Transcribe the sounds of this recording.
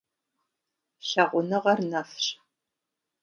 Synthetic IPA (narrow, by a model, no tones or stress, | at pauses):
ɕɐʁʷʊnɨʁɐrnɐfɕ